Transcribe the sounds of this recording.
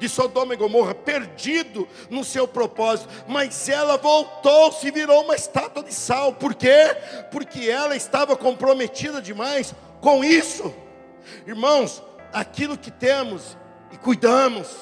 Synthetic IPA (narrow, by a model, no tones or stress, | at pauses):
kɪsod̪omɐɡomohɐpeɾd͡ʒid̪ʊ | nʊsewpɾopɔzit̪ʊmɐzɛlɐvowt̪owsɪviɾowũmɐɪst̪at̪wɐd̪ɪsawpoɾkepʊɾkɪɛlɐɪst̪avɐkõpɾomet͡ʃid̪ɐd͡ʒɪmajs | kõw̃isʊ | ɪɾmɐ̃w̃s | akilʊkɪt̪ẽmʊs | ɪkujd̪ɐ̃mʊs